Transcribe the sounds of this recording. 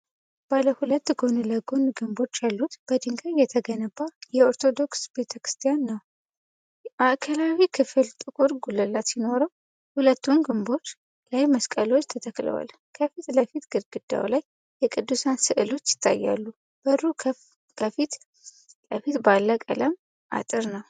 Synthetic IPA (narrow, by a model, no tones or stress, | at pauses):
b̥aləhulət̪ːɡo̞nləɡo̞nɡɨmbo̞t͡ʃːjalːut̪b̥əd̪ɨŋɡajɛt̪ʰəɡənəbajɛoɾt̪ʰo̞d̪o̞ksb̥e̞t̪ʰəkɾɨ̥st̪ʰijanːəw | ʔaʔkʰəlawikʰɨfɨlt̪ʼɨkʼuɾɡuləlːat̪jino̞ɾəw | hulət̪ːunɡɨmbo̞t͡ʃː | lajməskʼəlo̞t͡ʃːt̪ʰət̪ʰəkʼlə̰wa̰l | kʰəfit̪ləfit̪ɡ̥ɨɾɡɨd̪a̰wlaj | jɛkʼɨd̪ːusansɨʔɨlo̞t͡ʃːjɪ̥t̪ʰːa̰jːa̰lːu | b̥əɾu | kʰəfit̪ | ləfit̪balːəkʼə̰ləm | ʔa̰t̪ʼɨɾnəw